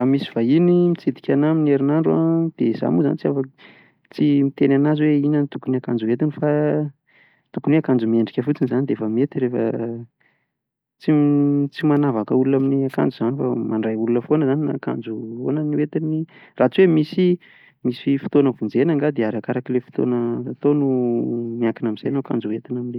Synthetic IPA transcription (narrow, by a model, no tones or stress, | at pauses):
amisi̥vainimit͡sid̪i̥kʲanamineɾinaɳɖ͡ʐuad̪̥eza̰muza̰nit͡siafa | t͡simit̪enanazweinənit̪ukunakand͡zuɦet̪infa | t̪ukuniakand͡zumieɳɖ͡ʐi̥kʲəfut͡sinizanid̪eefəmet̪iɾefə̰ | t͡sit͡simanavakəulunaminiaka̰nd͡zuz̥anifa̰maɳɖ͡ʐajulunəfonəzanina̰ka̰nd͡zuo̰nəniwet̪inirat͡swemisi | misifu̥t̪onəvund͡zenaŋɡad̪eaɾakaɾakilefu̥t̪o̰nəːt̪onumiakinaminzajnoka̰nd͡zuɦet̪inamine